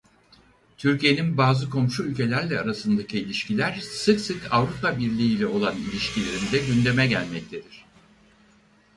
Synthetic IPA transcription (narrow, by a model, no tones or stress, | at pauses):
t̪ʰyɾcije̞ninbaːzɯkʰo̞mʃuylʲcʰe̞lʲæɾlʲɛaɾasɯnd̪acʰiːlʲiʃcʰilʲæɾ̥sɯksɯkavɾupabiɾlʲiiːlʲɛo̞lˠanilʲiʃcʰilʲe̞ɾind̪ɛɟynd̪e̞mɛɟælʲmɛc̚t̪ʰe̞d̪iɾ̝̥